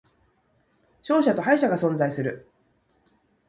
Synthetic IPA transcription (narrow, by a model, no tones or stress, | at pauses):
ɕo̞ːɕat̪o̞ɦaiɕaɡasõ̞nd͡zaisɨɾɯ̟